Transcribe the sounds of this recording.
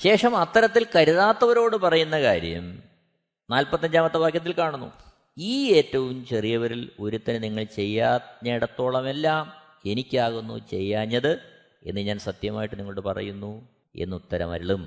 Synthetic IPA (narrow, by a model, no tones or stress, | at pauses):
ɕe̞ːʂɐmɐt̪ːɐɾɐt̪ːilkɐɾuðaːt̪ːɐʋɐɾo̞ːɽɨpɐrɐjunːɐkaːɾjɐ̰m | naːlpɐt̪ːɐɲd͡ʑaːmɐt̪ːɐʋaːkjɐt̪̬ːilkaːɳunːṵ | iːe̞ːtːɐʋumt͡ɕerijɐʋɐɾilo̞ɾut̪ːɐnɨniŋːɐɭt͡ɕe̞jːaːne̞ːɽɐt̪ːo̞ːɭɐme̞lːaːm | e̞nikʲːaːɣunːṵt͡ɕe̞jːaːɲːɐðɨ | e̞̰nːɨɲaːnsɐt̪jɐmaːjiʈːɨniŋːɐɭɽɨpɐrɐ̰junːu | e̞̰nːut̪ːɐɾɐ̰mɐ̰ɾiɭum